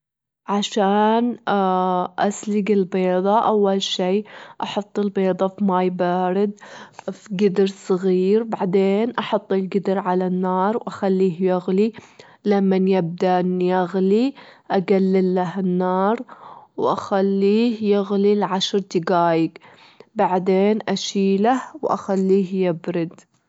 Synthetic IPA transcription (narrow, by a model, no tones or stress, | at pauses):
ʕaʃaːn | ʔaslɪɡɪlbeːðˤɑʔawːalʃiːʔɑħɑt̪ˤːɪlbeːd̪ˤɑfmajbaːɾɪd̪̚fɡɪd̪ɾsˤɨɣiːɾbaʕd̪eːnʔɑħɑt̪ˤːɪlɡɪd̪ɪɾʕalanːɑːɾˤwʔaxalːiːhjʊɣli | lamːanjɪb̚d̪aʔɪnjaɣliʔaɡalːɪlːaɦɪnːɑːɾˤwʔaxalːiːhjɪɣlilʕaʃɾˤt̪ɪɡaːjɪɡ | baʕd̪eːnʔaʃiːlahwʔa̰xalːiːhjɪbɾɪd̪